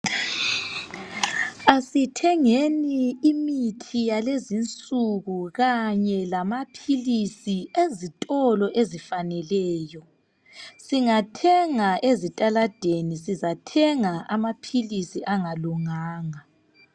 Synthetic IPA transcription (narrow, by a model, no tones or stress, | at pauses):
asitʰɛŋeniːmitʰijalezint͡sʼuɣuɣaɲɛlamapʰilisiezitʼɔlɔʔezifanɛlɛːjɔ | siŋatʰɛŋaezitʼalad̥ʱenisizatʰɛŋaʔamapʰilisiʔaŋaluŋaːŋa